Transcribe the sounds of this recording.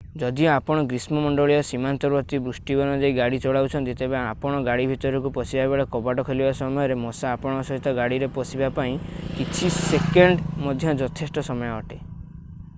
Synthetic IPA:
d͡ʒɔd̪iɔapɔɽ̃ɔɡɾismɔmɔɳɖɔɭiɔsimant̪ɔɾbɔt̪ibɾusʈibɔnɔd͡ʒeiɡaɽit͡ʃɔɭawt͡ʃʰɔnt̪it̪ebeapɔɽ̃ɔɡaɽibʱit̪ɔɾɔkupɔsibaebeɭekɔbaʈɔkʰelibasɔmɔjɔɾemɔsaːpɔɽ̃ɔsɔɦit̪ɔɡaɽiɾepɔsibapaĩkit͡ʃʰisekeɳɖmɔd̪ʱjɔd͡ʒɔt̪ʰesʈɔsɔmɔjɔɔʈe

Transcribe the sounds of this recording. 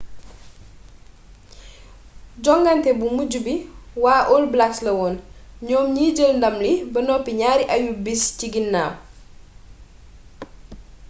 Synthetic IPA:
ɟɔŋɡantɛbumuɟubiwaːʔɔlblakslɐwɔːnɲɔːmɲiːɟəlndɐmlibɐnɔpiɲaːɾiʔɐjubisciɡinːaː

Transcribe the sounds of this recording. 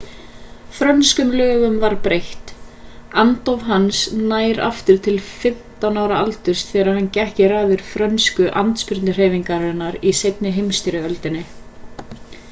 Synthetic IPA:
fɾœnskʏmlœːɣʏmvaɾpɾejht̪ | ant̪ɔvɦansnaːjɾa̰ft̪ʏɾ̥t̪ʰɪlfɪm̥t̪awnaːwɾaalt̪ʏɾ̥st̪θɛːɾaɾhancɛhcɪraːðɪɾ̥fɾœnskʏʔant̪spɪɾt̪nʏr̥eːjviŋkaɾɛnːaɾisejt̪̚nɪɦejmst̪iɾɪœlt̪ɪnːɪ

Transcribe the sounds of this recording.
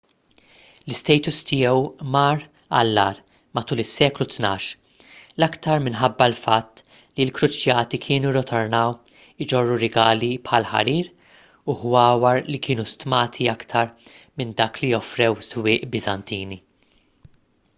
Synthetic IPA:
lɪst̪ɛjt̪ʊst̪ɪjɛwmɐːɾ | ɐ̰lːɐːɾ | mɐt̪uːlɪsːɛːklut̪nɐːʃ | lɐkt̪ɐɾmɪnħɐbːɐlfɐt̪ː | lilkɾʊt͡ʃjɐːt̪ikʰɪːnuɾɔt̪ʰɔɾnɐw | ɪd͡ʒɔrːuɾɪɡɐːlipħɐlħɐ̰ɾiːɾ | uhwɐːwɐɾlikɪːnust̪mɐːt̪ʰiɐkt̪ʰɐɾ | mɪnd̪ɐːklijɔfɾɛwswɪːʔbɪzɐnt̪iːni

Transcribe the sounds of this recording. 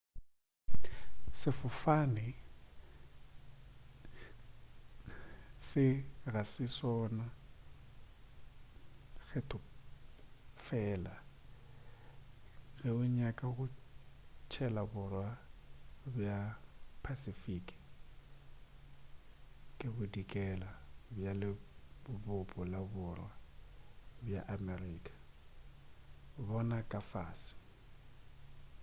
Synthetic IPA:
sɪfʊfanɪ | sɪɣasɪsɔna | ɣʰɛtʰʼʊ | fɛːla | ɣɛʊɲakʼaɣʊ | t͡ʃʰɛlabʊrwa | bjapʰasifikʼ | kʼɪbʊdikʼɛlabjalɪbʊbʊpʼɔlabʊrwa | bja̰ʔamɛriːkʼḁ | bɔnakʼafa̰ːsɪ̥

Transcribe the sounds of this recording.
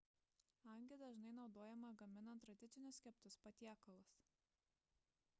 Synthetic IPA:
ɐŋʲɡʲɪd̪ɐʒnɐɪnɒʊd̪oːjɛmɐɡɐmʲɪnɐnt̪ːɾɐd̪ʲɪt̪sʲɪnʲʊsʲkʲɛpt̪ʊspɐt̪ʲiɛkɐlˠʊs

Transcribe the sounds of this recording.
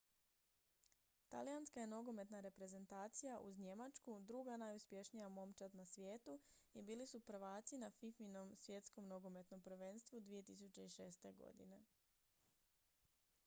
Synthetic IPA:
t̪a̰lijanskaje̞no̞ɡo̞me̞t̪naɾe̞pɾe̞ze̞nt̪aːt̪sijaʔṵzɲe̞mat͡ʃkud̪ɾuɡanajuspʲje̞ʃnijamo̞mt͡ʃat̪nasʋjeːt̪uibiːlisupɾ̩ʋaːt̪sinafifino̞msʋje̞t̪sko̞mno̞ɡo̞me̞t̪no̞mpɾ̩ʋeːnst̪ʋud̪ʋije̞t̪isut͡ɕe̞iʃe̞ːst̪e̞ɡo̞̰d̪ḭne̞

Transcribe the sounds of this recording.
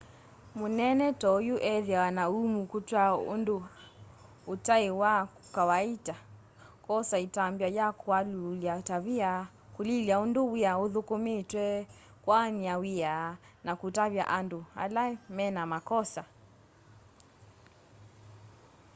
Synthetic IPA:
monɛnɛtɔjuʔɛðawanaumukutwandoː | taewa | kawaita | kɔsaitambjajakalataβia | kuliliaondowiaoðukometwɛ | kwaniawia | nakutaβja̰ʔandoha̰lamɛnamakɔsa

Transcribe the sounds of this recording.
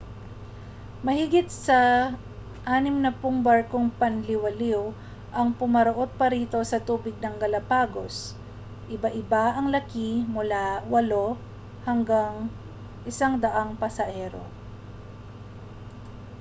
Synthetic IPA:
mɐhɪɡɪt̪̚sɐ | ʔaːnɪmnɐpʊŋbaɹkoŋpɐnlɪwɐliw | ʔɐŋpʊmɐɾoʔo̞d̪̚pɐɾiːt̪o̞sɐt̪uːbɪɡ̚nɐŋɡɐlɐpaːɡo̞s | ʔɪbaʔɪbaʔɐŋlɐkimʊlawɐlo̞ | hɐŋɡaŋ | ʔɪsaŋd̪ɐʔaŋpɐsɐhɛɾo̞̰

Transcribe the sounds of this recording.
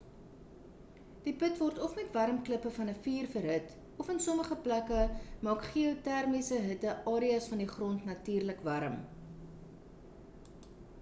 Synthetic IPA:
d̥ipətvɔrtɔfmɛtvɐɾəmkləpəfɐnəfiːrfərɦət | ɔfənsɔməχəplækəmɑːkχiotærmisəɦətəɑːɾiɐsfɐndiχrɔntnɐtyːrləkvɐɾə̰m

